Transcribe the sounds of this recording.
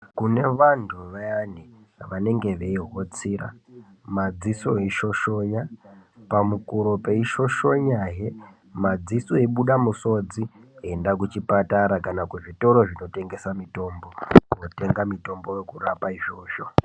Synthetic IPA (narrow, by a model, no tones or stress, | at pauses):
kune̞ʋantʰuʋajani | ʋane̞ŋɡe̞ʋeiɦo̞t͡siːɾa̰ | mad͡zisoeʃo̞ʃo̞japamukuɾo̞pe̞iʃo̞ʃo̞ɲaɦe | mad͡zisoeɓuɗamuso̞d͡ziendak̬ut͡ʃipataɾakanakuʐito̞ɾo̞ʐino̞te̞ŋɡe̞samito̞mbo̞kuno̞te̞ŋɡamito̞mbo̞jekurapaiʒo̞ːʃo̞